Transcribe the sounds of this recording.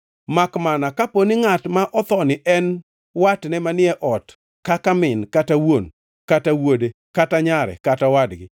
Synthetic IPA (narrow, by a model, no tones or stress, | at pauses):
makmanakaponiŋatmaʔɔt̪ɔnɪʔɛn | watnɛmanɪɛʔɔt | kakamɪnkatawon | katawode | kataɲaɾɛ̰katawadɡɪ